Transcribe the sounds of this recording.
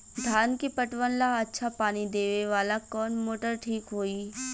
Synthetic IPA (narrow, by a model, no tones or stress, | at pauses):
d̪ʱaːnkipɐʈʋənlaɐtːʃʰapaːnid̪eːʋeʋaːlakɔːnmoːʈəɾʈʰiːkɦoːiː